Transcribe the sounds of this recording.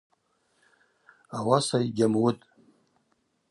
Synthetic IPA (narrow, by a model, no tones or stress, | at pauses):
awasajɡʲamwʊtʼ